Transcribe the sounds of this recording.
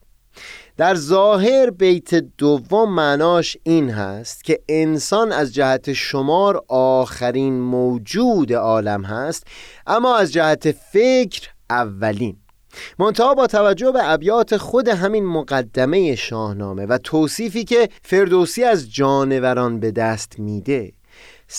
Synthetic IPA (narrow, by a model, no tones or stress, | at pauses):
d̪̥æɾzɒːɦe̞ɾbejt̪ʰe̞d̪ovːomːæʔnɒːʃiːnɦæ̰st̪cʰʲe̞ʔensɒnæzd͡ʒæhæt̪ʰe̞ʃomɒːɾɒːxæɾiːnmowd͡ʒuːd̪e̞ɒːlæmhæst̪ʔæmːɒːæzd͡ʒæhæt̪ʰe̞fe̞cʰɾʔævːæliːn | mont̪ʰæʔɒːbɒːt̪ʰævæd͡ʒːohbeæbjɒːt̪ʰe̞xo̞d̪e̞ɦæminmoɣæd̪ːæme̞je̞ʃɒːhnɒ̰ːme̞væt̪ʰoːsiːfiːcʰe̞fe̞ɾd̪oːsiːæzd͡ʒɒːne̞væɾɒːnbe̞d̪æːst̪miːd̪e̞